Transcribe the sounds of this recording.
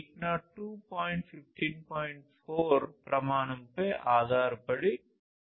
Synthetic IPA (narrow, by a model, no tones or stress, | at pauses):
knaːʈːuːpaːjɳʈfɪfʈʰinpaːjɪɳʈfoːɾpɾɐmaːɳɐmpeːʔaːd̪ʱaːɾbɐɽi